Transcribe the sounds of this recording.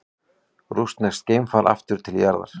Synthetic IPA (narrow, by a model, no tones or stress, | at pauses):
ɾust̪nɛst̪̚cejmfaɾʔa̰ft̪ʏɾ̥t̪ʰɪljaɾða̰ɾ̥